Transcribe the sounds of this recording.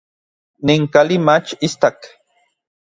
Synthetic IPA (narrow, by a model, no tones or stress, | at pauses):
niŋkalimat͡ʃist̪ak